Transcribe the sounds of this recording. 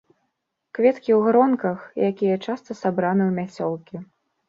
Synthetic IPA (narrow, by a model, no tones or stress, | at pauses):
kvʲɛt̪kʲiwɣɾɔnkɐxjʔakʲijɐt͡ʂast̪ɐsabɾanɨwmʲat͡sʲɔlˠkʲi